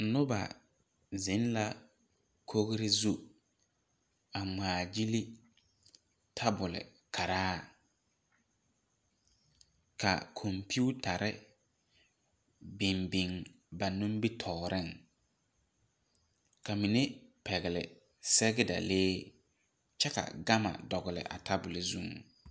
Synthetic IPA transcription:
nʊ˦ba̰˨ | zɪ˨˦nla˦ | kʰo˦ɣɾɪ˦zu˦ | a˨ŋ͡maː˨d͡ʒi˦li˦ | tʰa˦bʊ˨lɪ̰˨ | kʰa˨ɾaː˦ | ka̰˨kʰɔ˨mpu˦ta˨ɾʔɪ˦ | bɪ˨mbi˨ŋ | ba˨nũ˦m˦bi˦tʰɔː˨ɾʔɪ˦˨ŋ | ka˨mi˨ne˦pɛ˨ɣɪ˨lɪ̰˨ | sɛ˦ɡɪ˦da̰˨leː˦ | t͡ʃɛ˦ka̰˨ɡa˦ma̰˨dɔ˨ɣɪ˨lɪ̰˨ʔa̰˨tʰa˦bʊ˨lɪ˨zu˦ŋ˨

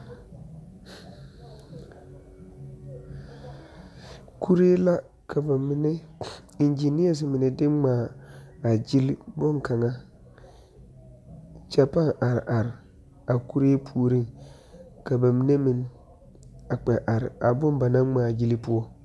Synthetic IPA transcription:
kʰu˦ɾeː˦la˦ | kʰa˨ba˨mɪ˨nɛ˦n˦d͡ʒi˨ni˦ɛ˨s̬ɪ˨mɪ˨nɪ˨dɪ˦ŋ͡maː˨a˨d͡ʒi˦lbɔ˦ŋka˨ŋa˦ | t͡ʃa˦pa˦ŋʔa˨ɾɪ˨ʔa˨ɾɪ˨ | a˨ku˦ɾeː˦pʰu˨o˨ɾi˦ŋ | ka˨ba˨mɪ˨ne˦mɪ˨n | a˨k͡pɛ˨ʔa˨ɾɪ̰˨a˨bʊ˦mba˨na˦ŋ͡maː˨d͡ʒi˦li˦pʊ˦ɔ˦

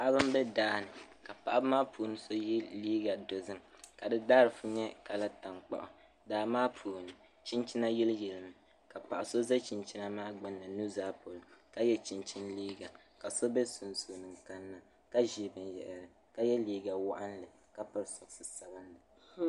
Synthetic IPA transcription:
pa˨ʔa˦bɨ˦m˦bɛ˦daː˦nɨ˨ka˨pa˨ʔa˦bmaː˦pʰuː˨nɨ˦so˦ji˦liː˦ɡa˨do˨zɨ˦mka˨dɨ˦daː˦ɾɨ˨fu˦ɲɛ˦ka˨la˦ta˨ŋk͡pa̰˨ʔʊ̰˨ | daː˨maː˦pʰuː˨nɨ˨ | t͡ʃi˦nt͡ʃi˦na˦ji˦ljɛ˨lɨ˨mɨ˨ | ka˨pa˨ʔa˨so˦zɛ˦t͡ʃi˨nt͡ʃi˦na˦maː˦ɡ͡ba˦nːa˨nu˦zaː˦po˨lʊ˨ka˦jɛ˦t͡ʃi˨nt͡ʃi˦nliː˦ɡa˨ | ka˨so˦bɛ˦su˨nso˨nɨ˨ŋka˦nːa˦ | ka˦ʒi˦bɨ˨njɛ̰˨ʔɛ˨ɾɨ˨ | ka˦jɛ˦liː˦ɡa˨wa˦ʔa˦n˦lɨ˨ | ka˦pa˨ɾsɔ˨ksɨ˦sa˨bɨ˦nlɨ˨

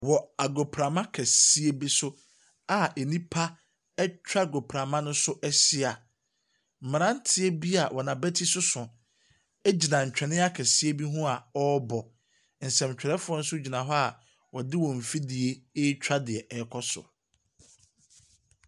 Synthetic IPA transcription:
wɔ˨a˨ɡo˨pʰɾa˨mã˦kʰɛ˨si˦e˦bi˦sʊ˦ | a˨e˨nĩ˦pʰa˦ | ɛ˦t͡ɕᶣa˦˨ɡo˨pʰɾa˨mã˦nʊ̃˦sʊ˦ʔɛ˦sɪ˦a˨ | m̩˨mɪ̃˨ã˦n̩˦tʰɪ˦e˦bi˦a˨wʔɔ˨nã˨bɛ˦tʰi˦sʊ˦sʊ̃˨ | ɛ˦d͡ʑi˨nã˨ɲ̩˨t͡ɕᶣɛ˨nɪ̃˦a˦kʰɛ˨si˦e˦bi˦ɦũ˦a˨ɔ˦bɔ˨ | n̩˨sɛ̃˨m˨t͡ɕᶣɛ˨ɾɛ˦fʊ˦ɔ˦n̩˦sʊ˦d͡ʑi˨nã˨ɦɔ˦a˨ | wɔ˨dɪ˦wɔ̃˨m̩˨fi˦dɪ˨e˦e˦t͡ɕᶣa˦dɪ˨ɛ˨ʔɛ˨kʰɔ˦sʊ̰˨

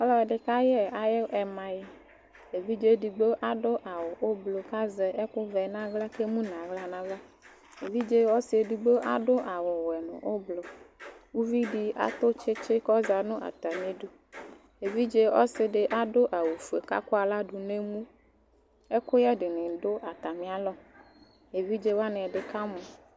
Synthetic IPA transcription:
ɔ˦lɔ˦ɛ˨ɖɪ˨ka˦jɛ˦a˨jɛ˦ʔɛ˨mã˨ji˦ | e˨vi˦d͡ʒe˦ɖi˨ɡ͡be˦ʔa˨ɖʊ˦ʔa˨wɔ˨ʔo˦blo˨ka˦zɛ˨ʔɛ˦kʊ˦vɛ˨nã˦ɣla˦ke˦mũ˦nã˨ɣla˦nã˦vla˦ | e˨vi˦d͡ʒe˦wɔ˦sɪ˨e˨ɖi˨be˦ʔa̰˨ɖʊ˦ʔa˨wɔ˨wɛ˨nʊ̰̃˨ʔo˦blo˨wu˦vi˦ɖi˦ʔa̰˦t̪o˦t͡ʃe˦t͡ʃe˦kɔ˦za˨nũ˦ʔa̰˨t̪a˨mĩ˨˦ɖu˦ | e˨vi˦d͡ʒe˦wɔ̰˦sɪ˨ɖe˨ʔa˦ɖo˦ʔa˨wu˨fu˨e˨ka̰˦ko˦a˨la˦ɖu˨nẽ˦mũ˦ | e˦kʊ˦jɛ˦ɖe˨nɪ̃˨ɖo˦ʔa˨t̪a˨mĩ˨a˨lɔ˦ | e˨vi˦d͡ʒe˦wa˦nɛ̃˨ɖe˨ka˦mɔ̃˨

